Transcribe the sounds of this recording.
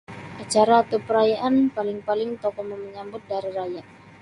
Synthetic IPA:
ʔat͡ʃaɾaːt̪awpəɾajaʔanpalɪŋpalɪŋt̪ɔkɔmɔməɲambʊt̪̚daɾiɾajaʔ̚

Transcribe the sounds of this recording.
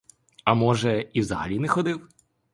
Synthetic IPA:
ɐmɔʒɛiwzɐɦɐ̰lʲinɛxɔd̪ɪw

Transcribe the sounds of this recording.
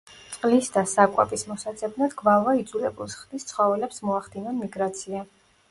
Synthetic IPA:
t̪sʼqʼlisd̪asakʼwɛ̰pʼismɔsat̪sʰʼɛbnad̪ɡvavaid̪zulɛbulˠsχd̪ist̪sʰχɔvɛlɛpsmɔaχd̪inɔnmiɡɾat̪sʰia

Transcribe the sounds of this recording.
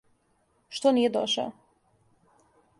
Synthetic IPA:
ʃt̪onijed̪o̰ʃa̰o

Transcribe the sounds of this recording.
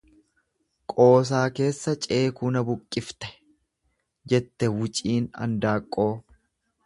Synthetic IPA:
kʼo̞ːs̬aːke̞ːsːɐt͡ʃʼe̞ːkuːnɐbʊkʼːɪft̪ɛ̥ | d͡ʒɛt̪ːɛwʊt͡ʃʼiːnɐ̰nd̪aːkʼːo̞ː

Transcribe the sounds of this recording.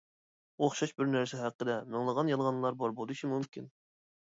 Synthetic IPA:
oχʃɑʃbɪɾnæɾsɛɦæqːəd̪ɛmɪŋlˠəʁɑnjɑnʁɑnlˠɑɾbɑɾbolˠd̪uʃʰimymkʲin

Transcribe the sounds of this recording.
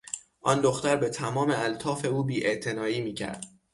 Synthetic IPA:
ʔɒnd̪o̞xt̪æɾbe̞t̪ʰæmɒːme̞ælt̪ʰɒːfe̞uːbiːʔe̞ʔt̪ʰe̞nɒːiːmiːcʰæ̰ɾd̪̥

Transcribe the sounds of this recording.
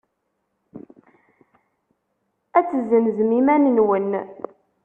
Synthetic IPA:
æt͡sːəzəmzmimænnwən

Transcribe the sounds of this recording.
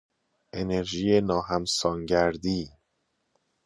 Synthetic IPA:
ʔe̞ne̞ɾʒiːjenɒːɦæmsɒːŋɟæɾd̪iː

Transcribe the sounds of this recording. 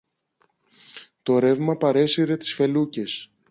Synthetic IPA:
t̪o̞ɾe̞vmɐpɐɾe̞siɾe̞t̪i̥sfe̞luce̞s

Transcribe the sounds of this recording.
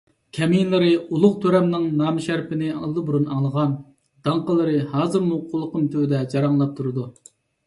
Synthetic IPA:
kʲʰɛmijnlˠɨɾɨulˠʊqt̪ʰøɾɛmnɨŋnɑːmɨʃæɾpɪnɪɑlˠd̪ɨbuɾunɑŋlˠəʁɑn | d̪̥ɑŋqəlˠəɾɨhɑːzɨɾmuqʰolˠːəqəmt̪ʰøwd̪ɛd͡ʒɑɾɑŋlˠɑp̚t̪ʰuɾɨd̪u

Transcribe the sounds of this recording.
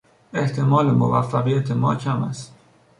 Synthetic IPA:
e̞ht̪ʰe̞mɒːlemo̰væfːæɣijæt̪ʰemɒ̰ːcʰæmæ̰st̪

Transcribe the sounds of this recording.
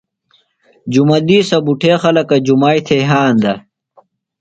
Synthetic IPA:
d͡ʑumɐd̪iːsɐbuʈʰeːxɐlɐkɐd͡ʑumaːit̪ʰeɦaːnd̪ɐ

